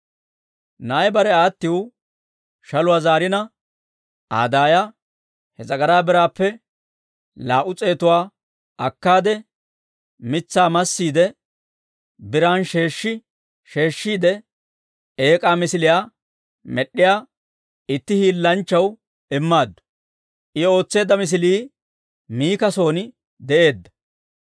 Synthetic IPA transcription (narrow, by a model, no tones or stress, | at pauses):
nɐːjbɐɾɛaːt̪ːɪw | ʃɐlʊwaːzaːɾɪnɐ | a̰ːd̪aːja | hɛzɐɡɐɾaːbɪɾaːpːɛ | laːʔʊt͡sʼe̞ːt̪ʊwaː | ɐkːaːd̪ɛ | mɪt͡sːaːmɐsːiːd̪ɛ | bɪɾaːnʃe̞ːʃːɪ | ʃe̞ːʃːiːd̪ɛ | eːkʼaːmɪsɪlɪjaː | mɛɗːɪjaː | ɪt̪ːɪhiːlːɐnt͡ʃːɐw | ɪmːaːd̪ːʊ̥ | ʔɪo̞ːt͡sːe̞ːd̪ːɐmɪs̬ɪliː | miːkɐso̞ːnɪ | d̪ɛʔe̞ːd̪ːɐ̥